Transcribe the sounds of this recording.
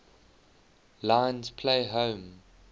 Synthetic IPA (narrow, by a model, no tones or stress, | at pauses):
lãɪ̃nz̥pʰleɪɦõʊm